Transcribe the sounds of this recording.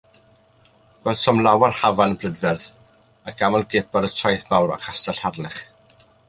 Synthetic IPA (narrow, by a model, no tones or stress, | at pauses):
ɡ̥wɛlˠd̥sɔmlˠawarhavanəbrədvɛrð | aɡamɔlˠɡɪbaɾətʰrajθmawra̰χastaɬharlɪχ